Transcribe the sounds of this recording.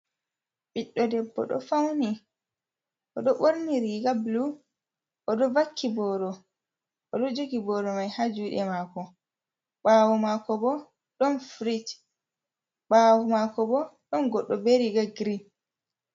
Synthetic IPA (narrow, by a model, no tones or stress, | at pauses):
ɓiɗːɔdɛbːɔ̰ɗɔ̰fawni | ʔɔɗɔɓoɾniɾiɡablu | ʔɔɗɔvakʰːibɔːɗɔ | ʔɔɗɔd͡ʒoɡibɔːɗɔmajhad͡ʒuɗɛmaːkɔ | ɓaːwɔmaːkɔbɔ | ɗɔnfɾit | ɓawɔmakɔbɔɗɔnɡɔɗːɔbeɾiɡaɡɾin